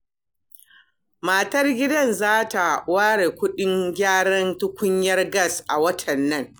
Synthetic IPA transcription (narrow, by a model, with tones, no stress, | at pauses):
maː˨tɐ˦rɡʲɪ˦dɐ˦˨nzaː˦ta˨waː˦ɽe˨kʷʊ˦ɗɪ˦ŋɡʲaː˦ɽɐ˦ntʊ˦kʷʊ˦ɲjɐ˦rɡɐ˦˨sʔa˨wɐ˦tʰɐ˨nːɐ˦ŋ